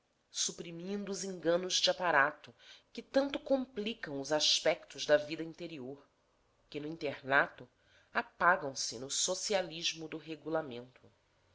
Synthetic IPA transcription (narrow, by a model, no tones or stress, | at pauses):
supɾimĩnd̪ʊːzĩŋɡɐ̃nʊzd͡ʒɪapaɾat̪ʊkɪt̪ɐ̃nt̪ʊkõmplikɐ̃w̃ʊzaʃpɛk̚t̪ʊʒd̪ɐvid̪ɐĩnt̪eɾioɾ | kɪnʊĩnt̪eɾnat̪ʊ | apaɡɐ̃w̃sɪnʊsosialiʒmʊd̪ʊɦeɡulamẽnt̪ʰʊ